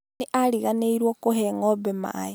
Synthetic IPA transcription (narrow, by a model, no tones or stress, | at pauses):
eʔaɾiɣaneiɾwokoɦeŋobema̰e